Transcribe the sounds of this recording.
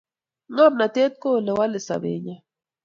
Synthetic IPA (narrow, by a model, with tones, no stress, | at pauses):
ŋa˦m̚na˨t̪e˦t̪̚ko˦˨lɛ˨wa˦le˨sa̰˨bḛ˨ɲa˨